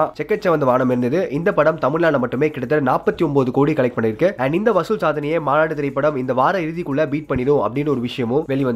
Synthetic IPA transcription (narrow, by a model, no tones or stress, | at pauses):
at͡ʃɛkːɐt͡ʃːɐʋɐnd̪ɐʋaːnɐmɪɾɯnd̪ɐðɯʔɪnd̪ɐpːɐɽɐmt̪ɐmɪɭːaːɭɐmɐʈːɯmeːkɪɽɐt̪̬ːɐnaːpːɐt̪ːiɔmboːðɯkoːɽikɐɭɐɪk̚pːɐɳːɪɾkːɯɛːɳɖɪnd̪ɐʋɐsɯlsaːðɐnɐjeːmaːnaːʈɯt̪ɪɾɐɪpːɐɽɐmɪnd̪ɐʋaːɾɐɪɾɯðikːɯɭːɐbiːʈ̚pɐɳːɪɽɯ̃ɐ̰pːɐɽɪnːɯɔɾɯʋɪʂɐjɐmʊ̃ʋɛɭɪʋɐnd̪